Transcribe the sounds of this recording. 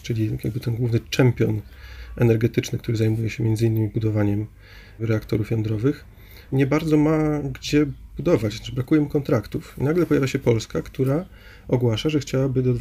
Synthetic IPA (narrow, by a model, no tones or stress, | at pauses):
t͡ʂɘlʲija̰ɡ̚bɘt̪ɛnɡwuvnɘt͡ʂɛmpʲjɔnɛnɛɾɡɛt̪ɘt͡ʂnɘkt̪uɾɘzajmujɛɕɛmʲjɛnd̪zɘinːmʲibud̪ɔvaɲɛm | ɾɛakt̪ɔɾufjɔnd̪ɾɔvɘx | ɲɛbaɾd̪zɔmaɡd͡ʑɛbud̪ɔvat͡ɕ̪aɘbɾakujɛmukɔnt̪ɾakt̪ufnaɡlɛpɔjavʲjaɕɛpɔlskakt̪uɾa | ɔɡwaʂaʐɛxt͡ɕawabɘd̪ɔd̪v